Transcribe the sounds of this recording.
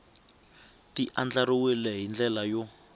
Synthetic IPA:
tiʔand͡ɮaɾiwilɛɦind͡ɮɛlajɔ

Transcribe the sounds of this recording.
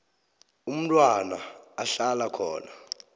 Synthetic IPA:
um̩tʼwanaːɬalakʰɔːna

